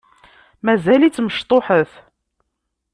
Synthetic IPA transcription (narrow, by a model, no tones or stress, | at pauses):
mæzælit͡sːməʃt̪ˤoħəθ